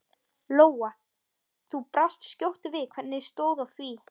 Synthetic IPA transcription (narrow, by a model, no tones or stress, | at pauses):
loːwa | θupɾawst̪scowht̪ʏvɪðkʰvɛɾt̪nɪst̪oːwðawθviː